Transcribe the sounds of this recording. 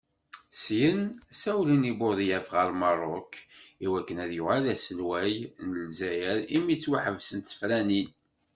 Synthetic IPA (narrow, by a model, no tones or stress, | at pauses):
sjənsæwlinibʊðijæfʁəɾmɑɾˤokːiwækːənæðjʊʁalæsəlwæjnəlzæjəɾimit͡sːwaħəvsənt̪fɾænin